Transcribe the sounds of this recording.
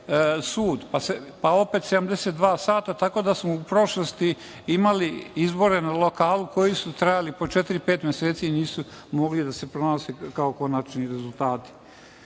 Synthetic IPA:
suːd̪pasepao̞pe̞t̪sed̪amd̪eset̪d̪ʋaːsaːt̪at̪ako̞ːd̪asmoupɾo̞ʃlost̪i | imaliizbo̞ɾe̞nalo̞kaːluko̞jisut̪ɾajalipo̞t͡ʃet̪ɾipe̞ːt̪mjeseːt̪siniːsumo̞ɡlid̪ase̞pɾonasekaoko̞nat͡ʃniɾezulˠt̪aːt̪i̥

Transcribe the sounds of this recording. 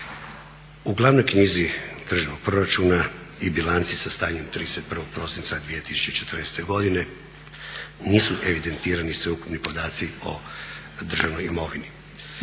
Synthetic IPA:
uɡlˠaʋno̞jkɲiːzid̪̥r̩ʒinoɡ̚pɾo̞ɾat͡ʃuːna | ibilˠant̪sisast̪aːɲe̞mt̪ɾiːd̪eset̪̚pr̩ʋoɡ̥̚pɾo̞sint̪sad̪ʋije̞t̪i̥su̥t͡ʃt͡ɕet͡ʃe̞t̪r̩nest̪eɡo̞d̪ine̞ | niːsuʔeʋid̪e̞nt̪iːɾanisʋeuku̥pnipo̞d̪aːt̪sio̞̰ | d̪r̩ʒaʋnojimo̞ʋini

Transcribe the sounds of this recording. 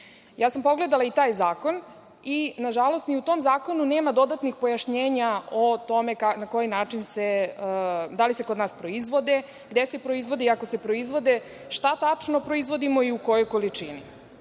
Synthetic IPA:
jaːsampo̞ɡle̞d̪alait̪aːjzaːko̞n | inaʒalo̞st̪niut̪o̞ːmzaːko̞nune̞ːmad̪o̞d̪at̪nixpo̞jaʃɲeːɲaot̪o̞me̞kanako̞jinaːt͡ʃinse | d̪alise̞kod̪naːspɾo̞izʋo̞d̪e | ɡd̪e̞se̞pɾo̞izʋo̞d̪iako̞se̞pɾo̞izʋo̞d̪e | ʃt̪at̪at͡ʂno̞pɾo̞izʋo̞d̪imo̞iuko̞jo̞jko̞lit͡ʂinḭ

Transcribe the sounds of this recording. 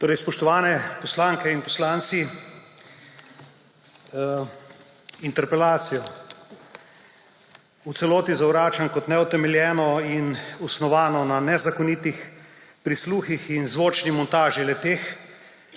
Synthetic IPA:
t̪oːɾɛjspɔʃt̪ɔʋaːnɛpɔslaːŋkɛinpɔslaːnt̪si | int̪ɛɾpɛlaːt̪sijɔ | ut̪sɛloːt̪izawɾaːt͡ʃankɔt̪nɛut̪ɛmɛljɛːnɔinusnɔʋaːnɔnanɛzakɔnit̪ixpɾisluːxixinzʋoːt͡ʃnimɔnt̪aːʒilɛt̪eːx

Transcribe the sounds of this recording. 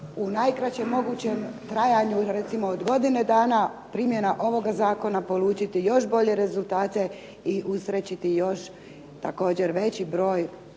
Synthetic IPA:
unajkɾat͡ɕe̞mːo̞ɡuːt͡ɕemt̪ɾajaɲuɾet̪simo̞od̪ɡo̞d̪ine̞d̪aːnapɾiːmje̞naʔo̞ʋo̞ɡazaːko̞napo̞lˠuːt͡ʃit̪ijo̞ʃbo̞ʎe̞ɾe̞zulˠt̪aːt̪e̞ | iʔusɾet͡ɕit̪ijo̞ʃ | t̪ako̞ːd͡ʑe̞ɾʋe̞t͡ɕibɾo̞ːj

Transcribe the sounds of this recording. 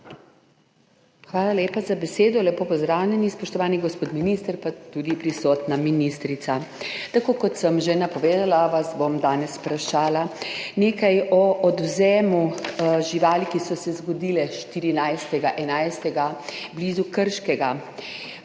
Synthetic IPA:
xʋaːlalʲeːpazabɛseːd̪ɔlɛpoːpɔzd̪ɾaːwlʲɛnispɔʃt̪ɔʋaːniɡɔspoːt̪minist̪əɾpat̪uːd̪ipɾisɔːt̪naminist̪ɾit̪sat̪akoːkɔt̪səmʒenapɔʋeːd̪alaʋazbomd̪aːnɛspɾaʃaːlaneːkajɔʔːd̪wzɛːmuʒiʋaːlikisɔsɛzɡɔd̪iːlɛʃt̪iɾinajst̪ɛɡaʔɛnajst̪ɛɡablizukəɾʃkɛɡa

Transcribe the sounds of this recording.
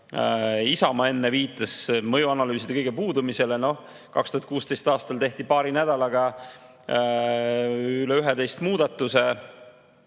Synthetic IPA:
isɑmɑe̞nːeviːt̪ːˑɑsmɤjuɑnɑlyːsid̪ekɤjɡ̥epuːd̪umiseleno̞ | kɑ̰kst̪uhɑt̪̚kuːst̪e̞jst̪ɑːst̪ɑlt̪e̞ht̪ipɑːɾinæd̪̥ɑlɑɡ̥ɑ | yleyɦet̪e̞jst̪muːd̪̥ɑt̪ːˑuse

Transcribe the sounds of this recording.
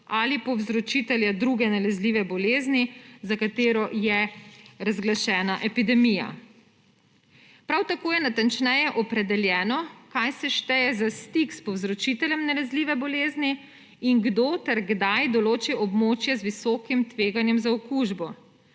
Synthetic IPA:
alipɔwzɾɔt͡ʃit̪ɛljad̪ɾuɡɛnalɛzliːʋɛbɔleːznizakat̪eːɾɔjɛɾazɡlaʃɛːnaʔɛpid̪ɛmija̰ | pɾawt̪akoːjɛnat̪ant͡ʃnɛjɛʔɔpɾɛd̪ɛljɛːnɔkajsɛʃt̪ɛjɛzast̪ikspɔwzɾɔt͡ʃit̪ɛljɛmnalɛzliːʋɛbɔleːzni | iŋɡd̪oːt̪ɛɾɡd̪ajd̪ɔloːt͡ʃiʔɔbmoːt͡ʃjɛzʋisɔkimt̪ʋeːɡanjɛmzaɔkuʒbɔ

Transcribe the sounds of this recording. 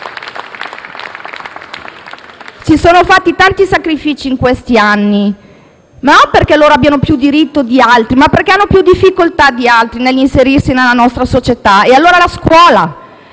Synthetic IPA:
sisoːnofat̪ːit̪ant̪isakɾifiːt͡ʃiːŋkwest̪ianːi | manomperkeloːɾoabːjanopjud̪iɾit̪ːod̪ialt̪ɾimapːerkeanːopjud̪ifːikolt̪ad̪ialt̪ɾinelːinseɾirsinelːanɔst̪ɾasot͡ʃet̪aealːoːɾalaskwɔːla

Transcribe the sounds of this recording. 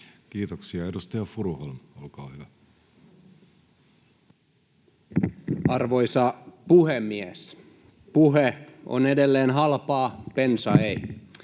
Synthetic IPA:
kiːt̪oksiɑedust̪ɑjɑfuɾuholmolkɑːhyʋæ | ɑrʋojsɑpuhemːies | puɦeo̰nedelːeːnɦɑlpɑːpensɑei

